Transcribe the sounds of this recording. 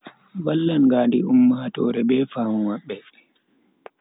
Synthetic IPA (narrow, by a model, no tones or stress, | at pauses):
balːanɡaːndiumːahatɔ̰ːɾɛbɛːfaːmɔmaɓːɛ